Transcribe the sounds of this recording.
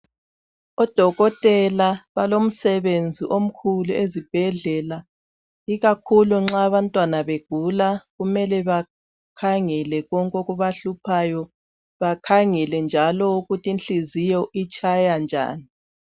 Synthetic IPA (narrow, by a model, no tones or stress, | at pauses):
ɔd̥ʱɔɣɔtʼɛlaβalom̩sɛβend͡zʱiʔom̩kʰuluezib̥ʱɛɮɛla | iɣakʰuluŋ͡ǁaβantʼwanaβeɡ̥ʱulaɣumɛlɛβa | kʰaŋɛlɛɣɔŋkʼɔɣuβaɬupʰajɔ | βakʰaŋɛlɛnd͡ʒʱalɔuɣutʰinɬizijɔʔit͡ʃʰʼajand͡ʒʱa̰ːni